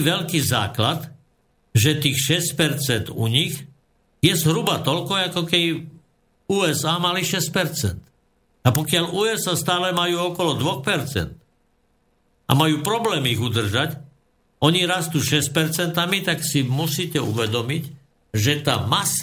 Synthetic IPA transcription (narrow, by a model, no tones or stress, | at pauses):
ʋɛʎkiːza̰ːklat̪ | ʒɛt̪iːxʃɛsc̚pɛɾt͡sɛnd̪ṵɲiɣ | jɛzɦɾubat̪ɔʎkɔakɔkɛd̪i | uːɛzaːmaliʃɛs̚pɛɾt͡sɛ̰nt̪ | apɔkɪalʔuːɛzast̪aːlɛmajuːɔkɔlɔd̪ʋɔxpɛɾt͡sɛ̰nt̪ | a̰majuːpɾɔblɛːmiiɣud̪r̩ʒac | ɔɲiɾast̪uːʃɛsc̚pɛɾt͡sɛnt̪amit̪aksimusiːcɛṵʋɛd̪ɔmic | ʒɛt̪a̰ːmas